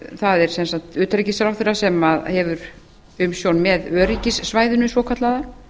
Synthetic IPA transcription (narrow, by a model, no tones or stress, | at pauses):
θaðɛɾ̥sɛnsan̥t̪ʏːt̪aɾicɪsaɾawθɪrːasɛmaðhɛvʏɾ | ʏmsjownmɛðœːɾicɪsːvaːjðʏnʏsvɔːkʰat̪laða